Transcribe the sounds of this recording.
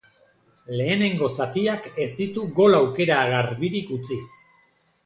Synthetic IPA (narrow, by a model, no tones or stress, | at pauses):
le̞ːne̞ŋɡo̞sat̪iake̞st̪it̪uɡo̞lawke̞ɾaɣaɾβiɾikut͡si